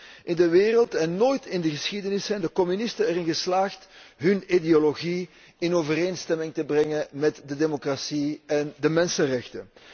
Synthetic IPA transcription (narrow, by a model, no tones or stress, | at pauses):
ʔɪndəʋeːrəlˠtɛnːoːjtɪndəɣəsxidənɪsːɛjndəkɔmynɪstənɛɾɪnɣəslaːxtɦɵnideoloɣi | ɪnoːvəreːnstɛmɪŋtəbrɛŋəmɛtdədemokrasiɛndəmɛnsənrɛxtə̰